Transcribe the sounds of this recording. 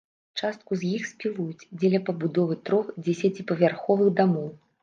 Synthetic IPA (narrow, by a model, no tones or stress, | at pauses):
t͡ʂast̪̚kuzʲjixsʲpʲilˠujut͡sʲd͡zʲɛlʲɐpɐbud̪ɔvɨt̪ɾɔxd͡zʲɛsʲɐt͡sʲipɐvʲarxɔvɨɣd̪amɔw